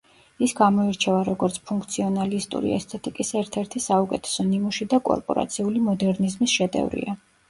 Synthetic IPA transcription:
isɡamɔiɾt͡ʃʰɛvaɾɔɡɔɾt̪sʰpʰuŋkʰt̪sʰiɔnalist̪ʼṵɾḭɛ̰st̪ʰɛt̪ʼikʼisɛɾt̪ʰɛɾt̪ʰisaukʼɛt̪ʰɛ̥sɔnimuʃid̪akʼɔ̰ɾpʼɔ̰ɾa̰t̪sʰiulimɔd̪ɛɾnizmisʃɛd̪ɛ̰vɾḭa

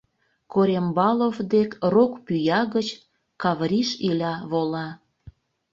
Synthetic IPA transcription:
koɾʲembɑlˠofd̪ekrokpyjɑɣət͡ɕ | kɑβɾʲiʃilʲɑβolɑ

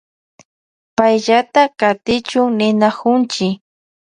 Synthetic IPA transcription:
pajʎat̪akat̪ɪt͡ʃʊŋnɪnakʊnt͡ʃɪ

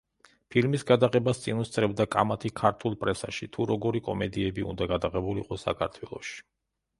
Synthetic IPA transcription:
pʰilmisɡad̪aqɛbast̪sʼinust̪sʼɾɛbd̪akʼa̰mat̪ʰikʰaɾt̪ʰulˠpʼɾɛsaʃit̪ʰuɾɔɡɔɾikʼɔ̰mɛd̪iɛbiṵnd̪aɡad̪aʁɛbulḭqʼɔsa̰kʰaɾt̪ʰwɛlˠɔ̰ʃi̥

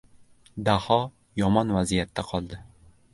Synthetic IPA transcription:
d̪ahɒ | jɒmɒnvazijat̪ʰːaqʰɒlˠd̪ɪ

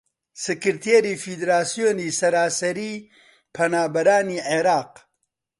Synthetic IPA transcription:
sɨkɨɾt̪ʰeɾiːfid̪ɾaːsijoːniːsɐɾaːsɐɾiː | pʰɐnaːbɐɾaːniːʕeɾaːq

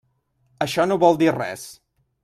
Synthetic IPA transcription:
əʃɔnoβɔlˠd̪irɛ̰s

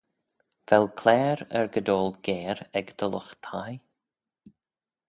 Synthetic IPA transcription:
vɛlkʰlɛːɾɛ̰ɹɡəd̪oːlˠɡɛːɾɛɡd̪̥ələxt̪ʰaj

